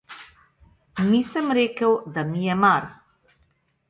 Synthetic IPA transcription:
niːsəmɾeːkəwd̪amijɛmaɾ

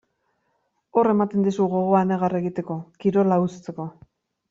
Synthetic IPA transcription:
o̞re̞mat̪e̞nd̪isuɣo̞ɣ̞o̞ane̞ɣare̞ɣit̪e̞ko̞kiɾo̞laust͡se̞ko̞

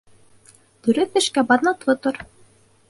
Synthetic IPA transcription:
t̪ɵ̆ɾɘk̚ːɘ̆ʃkæbɑðnɑt̪lɤt̪oɾ

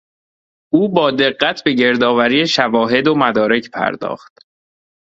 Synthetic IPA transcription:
ʔuːbɒːd̪e̞ɢːæt̪ʰbe̞ɟe̞ɾd̪ɒːvæɾiːeʃævɒːɦe̞d̪omæd̪ɒːɾe̞cʰpʰæ̰ɾd̪ɒ̰ːxt̪̚

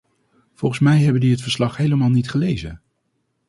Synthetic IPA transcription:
v̥ɔlˠχəsmɛjɦɛbəndiətfəɹslɑχɦejləmaːlˠnitχəlejzə̰

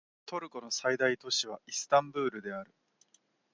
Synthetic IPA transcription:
t̪o̞ɾɯ̟ko̞no̞said̪ait̪o̞ɕiβaisɨ̥t̪ãmbɯ̟ːɾɯ̟d̪e̞aɾɯ̟

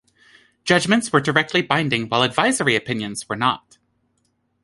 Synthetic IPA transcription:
d̥ʒ̥ʌd͡ʒmɨ̃ntswə˞də˞ɛk̚tʰˡlibãɪ̃ndɪ̃ŋwaɪlˠədvaɪzə˞iɨpʰɪ̃njɨ̃nz̥wə˞nɑt̚

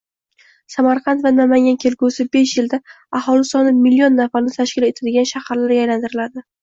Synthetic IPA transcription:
samaɾqʰɑnt̪vanamaŋʲankʲʰe̞lkusɪbe̞ʃjɪld̪a | ahɒlˠɪsɒnɪmɪlːijɒnːafaɾnɪt̪ʰaʃkʲɪle̞t̪ʰad̪ɪɡʲanʃahaɾlaɾɡajlant̪ʰɪɾɪlad̪ɪ

